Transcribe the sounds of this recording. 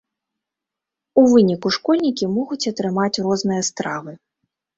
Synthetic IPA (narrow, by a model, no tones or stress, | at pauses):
uvɨnʲikuʂkɔlʲnʲikʲimɔɣut͡sʲɐt̪ɾɨmat͡sʲrɔznɨjɐst̪ɾavɨ